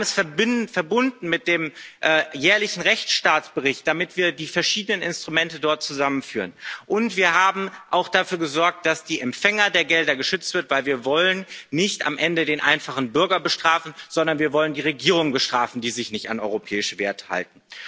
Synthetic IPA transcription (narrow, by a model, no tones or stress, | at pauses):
mɛsfɛɪfɛɐbʊndn̩mɪt̚d̥eːmʔɛjɛːɐlɪçn̩ʁɛçʃtaːtt͡sb̥əʁ̞ɪçt̚d̥amɪtv̥iːɐdiːfɛɐʃiːdənənɪnstʁ̥umɛntədɔɐt̚t͡suzamənfyːʁənʔʊntv̥iːɐɦaːbm̩ʔaʊxd̥afyːɐɡəzɔɐk̚t̚d̥asd̥iːʔɛmfɛŋɐdeːɐɡɛldɐɡəʃʏt͡stv̥ɪɐtv̥aɪlviːɐvɔlənːɪçta̰mʔɛndədeːnʔaɪnfaχn̩bʏɐɡɐbəʃtʁ̥aːfn̩z̥ɔndɐnviːɐvɔləndiːʁ̞eɡiːʁ̞ʊŋəbəʃtʁ̥aːfn̩diːzɪçnɪçta̰nʔɔ̰ʏʁopʰɛ̰ːɪʃəveːɐtə̥ha̰lt̚n̩